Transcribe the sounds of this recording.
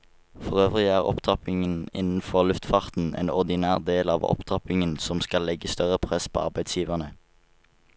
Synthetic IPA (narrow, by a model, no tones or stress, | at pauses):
fɔʁøːʋʁɪæːʁɔ̰pt̪ʰɑpɪŋənɪ̰nn̩fɔʁlʉft̪fɑʁt̪n̩ʔḛːnɔʁd̪ɪnæːʁd̪eːlɑːʋɔ̰pt̪ʰɑpɪŋənsɔmskɑlɛɡəst̪œʁəpʰʁɛspʰo̰ːɑʁbæɪd̪sjiːʋəʁnə